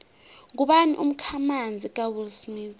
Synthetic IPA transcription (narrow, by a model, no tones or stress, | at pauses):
ŋuɓanḭʔum̩kʰamand͡zʱik̬ʼawilsmi